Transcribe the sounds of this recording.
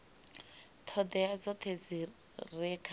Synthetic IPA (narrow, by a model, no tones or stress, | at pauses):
t̪ʰɔd̪ɛad͡zɔt̪ʰed͡zi | rɛkʰ